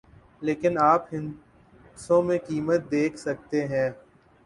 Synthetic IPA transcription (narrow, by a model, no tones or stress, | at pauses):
leːkɪnaːpɦɪ̃n | sõmẽkiːmət̪̚d̪eːkʰsɐk̚t̪eɦɛ̃ː